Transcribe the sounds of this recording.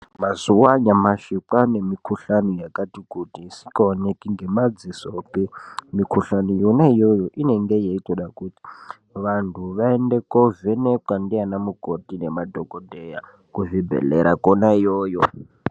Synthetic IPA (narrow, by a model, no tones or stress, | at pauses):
mazuwaɲamaʃikane̞mikʰuɬanujakatikutiːsi̥kaonekiŋɡe̞mad͡zisopimikʰuɬanujonaijojoʔine̞ŋɡe̞jeitoɗakuti̥ | ʋantʰuʋaendekovenekwandianamukotinemadʱokodʱeja̰ | kuvibʱḛlḛɾakonaijoːjo